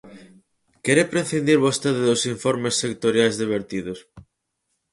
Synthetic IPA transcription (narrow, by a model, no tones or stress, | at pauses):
kɛɾepɾeθind̪iɾβost̪eðɪðosiɱfɔɾmesːekt̪oɾjajzðiβ̞eɾt̪iðos